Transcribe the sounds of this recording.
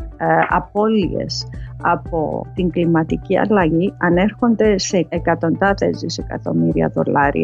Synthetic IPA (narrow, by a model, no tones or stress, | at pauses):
ɐ̰po̞lḭe̞̰sɐpo̞̰t̪iŋɡlimɐt̪iciɐ̰lɐʝiɐne̞ɾxo̞nd̪e̞seːkɐt̪o̞nd̪ɐθe̞zðise̞kɐ̰t̪o̞̰miɾiɐ̰ðo̞̰lɐɾḭɐ